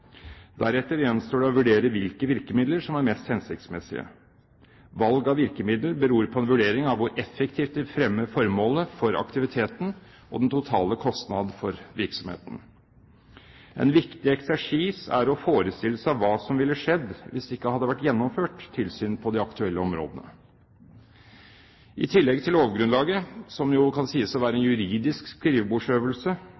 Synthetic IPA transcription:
d̪æɾɛt̪ːəɾjɛnst̪oːɖɛɔʋʉɖeːɾəʋɪlkəʋɪɾkəmɪd̪ləɾʂɔmæɾmɛst̪hɛnsɪk̚t̪smɛsɪ̰ə̰ | ʋɑlɡɑʋɪɾkəmɪd̪ləbəɾuːɾpʰɔɛnʋʉɖeːɾɪŋɑʋʋʊɾʔɛfːəkt̪ʰiːft̪̚d̪ɛfɾɛmːəfɔɾmoːləfɔɾɑ̰kt̪ɪʋɪt̪ʰeːt̪n̩ | ʔɔ̰d̪ɛnt̪ʰʊt̪ʰɑːləkʰɔst̪nɑd̪n̩fɔɾʋɪɾksɔmhḛːt̪ən̩ | ʔɛ̰nʋɪkt̪ɪɛksæʂiːsæ̰ɾɔfoːɾəst̪ɪlːəsɑʋʋɑːsɔmʋɪlːəʂɛd̪ʋɪsɪkːəhɑd̪ːəʋæʈːjɛnːɔmføːʈt̪ʰːɪlsyːnpʰɔd̪ɛɑkt̪ʰʉɛlːəɔmɾo̰ːd̪ənə̰ | ʔɪ̰t̪ʰɪlːɛɡt̪ʰɪloːʋɡɾʉnlɑːɡəsɔmjʊkʰɑnsiːəsɔʋæːɾəɛnjʉɾiːd̪ɪskskɾiːʋbuːʂøːʋəlsə

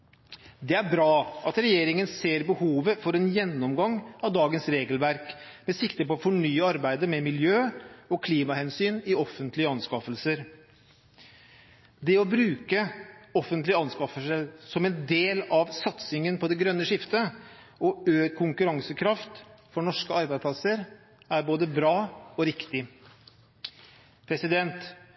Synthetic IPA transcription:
d̪ɛæɾbɾɑːʔɑt̪ɾɛjeːɾɪŋənseːɾbəhuːʋəfɔɾɛnjɛnːɔmɡɑŋːɑʋd̪ɑːɡənsɾeːɡəlʋæɾkmɛsɪkt̪əpɔfɔɳyːəɑɾbæɪd̪əmɛmɪljøːɔkʰliːmɑhɛnsyːnɪɔfːənt̪lɪəɑnskɑfəlsəɾ | d̪ɛɔbɾʉːkəɔfənt̪lɪəɑnskɑfəsəɾsɔmɛnd̪eːlɑʋsɑt̪sɪŋənpʰɔd̪ɛɡɾœnːəʂɪft̪ə | ɔøːkʰʊŋkʉɾɑŋsəkʰɾɑft̪fɔɳɔʂkəɑɾbæɪpʰlɑsəɾ | æɾboːd̪əbɾɑːɔɾɪkt̪ɪ | pʰɾɛsɪd̪ɛnt̪

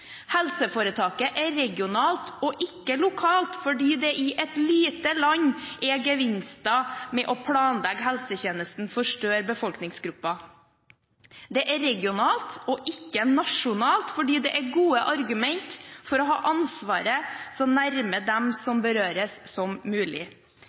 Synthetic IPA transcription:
hɛlsəfoːɾət̪ʰɑːkəʔɛɾɛɡɪʊnɑːlt̪ɔʔɪkːəlʊkʰɑːlt̪fɔɖiːd̪ɛʔɪʔɛt̪liːt̪əlɑɲːʔɛɡəʋɪnst̪ɑmɛʔɔpʰlɑːnlɛɡɦɛlsəçeːnəst̪n̩fɔʂʈøːɾbəfɔlknɪŋsɡɾʉpːɑ | d̪ɛʔæɾɛɡɪʊnɑːlt̪ɔʔɪkːənɑʂʊnɑːlt̪fɔɖiːd̪ɛʔæɡuːəʔɑɾɡʉmɛnt̪fɔɾɔɦɑ̰ːʔɑnsʋɑːɾəsɔnæɾməd̪ɛmsɔmbəɾøːɾəssɔmːʉːlɪ̰

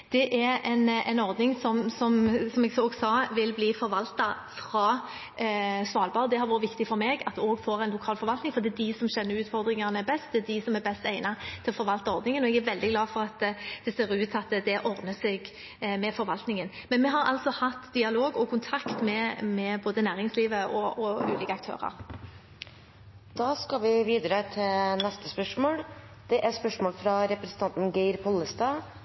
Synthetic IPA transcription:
d̪̥ɛʔæɾɛɪnɛ̰ɪnɔɾd̪nɪŋsɔmsɔmsɔmɛɡsoːɡsɑːʋɪlbliːfɔɾʋɑlt̪ɑ | fɾɑː | sʋɑːlbɑʁd̪ɛhɑɾʋuːɾəʋɪkt̪ɪfɔɾmeːɡɑt̪oːɡfoːɾæɪnlʊkʰɑːlfɔɾʋɑlt̪nɪŋfɔɾd̪ɛæd̪ɪsɔmɕɛnːəɾʉːt̪fɔɾd̪ɾɪŋɑʁnəbɛst̪̚d̪ɛæd̪ɪsɔmæɾbɛst̪æɪnɑt̪ʰɪlɔfɔɾʋɑlt̪ɑɔɾd̪nɪŋənɔɛɡæɾʋɛld̪ɪɡlɑːfɔɾɑt̪d̪̥ɛseːɾʉːt̪ʰɑt̪d̪ɛʔɔɾd̪nəsɛɡ | mɛfɔɾʋɑlt̪nɪŋənmɛnmɛɦɑɾɑ̰lsɔhɑt̪ːd̪ɪɑloːɡɔkʰʊnt̪ʰɑkt̪mɛmɛboːd̪ənæːʁɪŋsliːʋəʔɔɔʉ̰ːliːkəɑkt̪ʰø̰ːʁɑ̰ɾ | d̪̥ɑːskɑʋɪʋiːd̪ɾət̪ʰɪlnɛst̪ə̥spœʂmoːɽ | d̪̥ɛʔæɾspœʂmoːlfɾɑɾɛpɾɛsn̩t̪ɑnt̪n̩ɡæɪɾpʰɔlːəst̪ɑː

